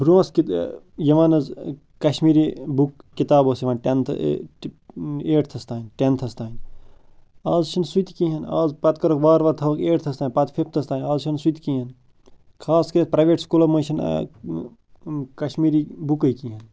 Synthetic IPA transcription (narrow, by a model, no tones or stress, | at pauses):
buɾuɐski | jɐʋaːnɐz | kɐʃmiːɾibukːit̪aːboːsiʋaːnʈent̪ʰ | eːʈt̪ʰɐst̪aːnʈent̪ʰɐst̪aːn | aːzʃʰinsut̪kĩɦɐna̰ːzpɐt̪kɐɾokbaːɾʋɐt̪ʰɐʋɐkeːʈt̪ʰɐst̪aːinʲpɐt̪fʰipʰt̪ʰɐst̪aːnʲaːzʃʰɐnsut̪kĩːɦɐn | kʰaːskɐɾieɐt̪̚pɾɐjʋeːʈskulɐmoʃɐn̰ | kɐʃmiːɾibukɐjkĩːɦɐn